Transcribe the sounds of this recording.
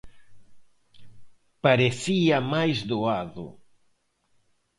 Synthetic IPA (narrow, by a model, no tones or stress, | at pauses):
paɾeθiɐmajzðoaðʊ̰